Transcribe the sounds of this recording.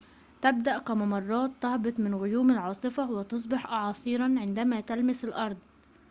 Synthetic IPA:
t̪æb̚d̪aʔkæmɑmɑrˤːɑːt̪ːɑhbɨt̪ˤmɪnɣʊjuːmɪlʕɑːsˤɨfɑwɪt̪ɑs̬ˤbɪħʔɑʕɑːsˤiːɾˤɑnʕɪnd̪æmæːt̪almɪsɪlʔɑɾˤd̪ˤ

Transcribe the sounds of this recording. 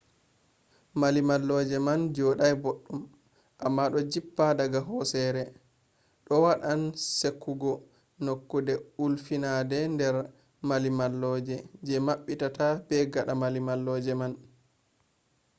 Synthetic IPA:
malimalːɔd͡ʒɛmand͡ʒɔɗajboɗːum | ʔamːaɗɔd͡ʒipːadaɡaɦɔsɛɾɛ | ɗɔwaɗansekːuɡɔ | nokːudɛulfinadɛndɛɾ | malimalːɔːd͡ʒɛd͡ʒɛmaɓːitatabɛɡaɗamalimalːɔːd͡ʒɛman

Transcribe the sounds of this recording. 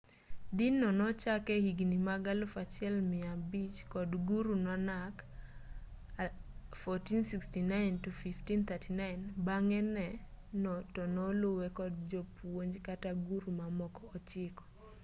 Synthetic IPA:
dinɔnɔt͡ʃakɛhiɡnimaɡalʊfat͡ʃɪɛlmɪabit͡ʃkɔdɡuɾunɔnak | fɔtinsikstinajntufiftint̪ʰatʰinaɪnbaŋɛnɛnɔtɔnɔlʊwɛkɔd̚d͡ʒɔpwoɲd͡ʒkataɡuɾumamɔkɔːt͡ʃɪkɔ̥

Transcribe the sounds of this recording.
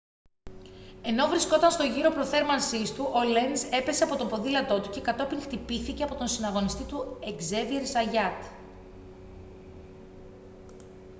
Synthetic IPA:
e̞no̞vɾisko̞t̪ɐnst̪o̞ʝiɾo̞pɾo̞θe̞ɾmɐnsist̪uʔo̞le̞nze̞pe̞se̞ɐpo̞t̪o̞po̞ðilɐt̪o̞t̪uce̞kɐt̪o̞piŋxt̪ipiθice̞ɐpo̞t̪o̞nsinɐɣo̞nist̪it̪ue̞ɡze̞ðieɾsɐʝɐt̪

